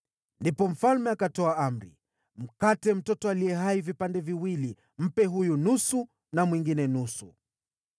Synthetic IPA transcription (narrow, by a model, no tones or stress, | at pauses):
ndipɔm̩falmɛakatɔaam̩ɾḭ | m̩katɛm̩tɔtɔalijɛɦaivipandɛviwili | m̩pɛɦujunusu | namwiŋɡinɛnusu